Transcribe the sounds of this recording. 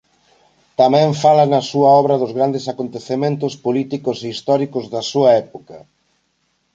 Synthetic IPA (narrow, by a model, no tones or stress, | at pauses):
t̪amɛ̃ɱfalanɐsuɐɔβɾɐðʊzɣɾand̪esakont̪eθemẽnt̪ʊspolit̪ikʊseist̪ɔɾikʊzðɐsuɐɛpo̥kɐ